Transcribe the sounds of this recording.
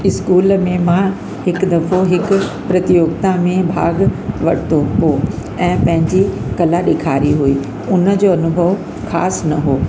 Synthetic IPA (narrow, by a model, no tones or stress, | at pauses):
ɪskuːlmẽmã | hɪkd̪ɐfoɦɪk | pɾɐt̪ijoːɡt̪amẽbʱa̰ːɡʋɐɽ̤t̪oɦoː | ɛ̃ːpɐ̃ɦɪ̃ɲd͡ʑikɐlaɗeːkʰaːɾiɦuiː | ʊnə̆d͡ʑoɐnʊbʱəʋ | xaːsnɐɦoː